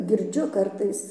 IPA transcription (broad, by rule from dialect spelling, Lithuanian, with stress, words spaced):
ɡʲɪrʲˈd͡ʒʲʊ ˈkɐrtɐɪs